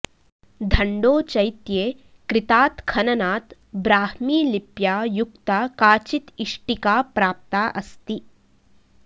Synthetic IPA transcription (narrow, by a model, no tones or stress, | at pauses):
d̪ʱɐɳɖoːt͡ʃɐjt̪jeː | kɾit̪aːt̪kʰɐnɐnaːt̪ | bɾaːhmiːlipjaːjukt̪akaːt͡ʃit̪iʂʈikaːpɾaːp̚t̪aːʔɐst̪i